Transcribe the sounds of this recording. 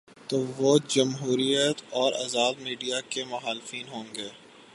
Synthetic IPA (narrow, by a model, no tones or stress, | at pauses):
t̪oːʋod͡ʒɐmɦuːɾijət̪ɔːɾɐ̰zaːd̪miːɖijakemʊxaːlɪfiːnɦõːŋɡeː